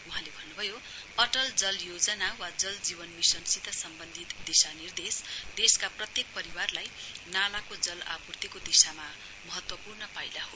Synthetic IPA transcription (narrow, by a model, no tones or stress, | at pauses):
uɦãlebʱʌnːubʱʌjo | ʌʈʌld͡zʌljod͡zʌnawad͡zʌld͡zibʌnmisʌnsit̪ʌsʌmbʌnd̪ʱit̪d̪isanird̪esd̪̥eskaprʌt̪jek̚pʌɾiwarlajnalakod͡zʌla̰purt̪ikod̪isama | mʌɦʌt̪wʌpurnʌpajlaɦo